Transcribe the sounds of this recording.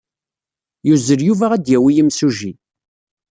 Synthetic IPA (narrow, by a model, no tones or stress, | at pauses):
juzəɾjuvæʁæd̪jæwijəmsuʒi